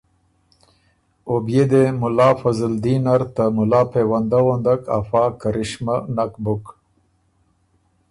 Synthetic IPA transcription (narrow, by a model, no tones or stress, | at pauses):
objed̪emʊlɑːfazəld̪inaɾt̪amʊlɑːpʰewand̪awond̪aka̰fɑːkaɾɪʃmanakbʊk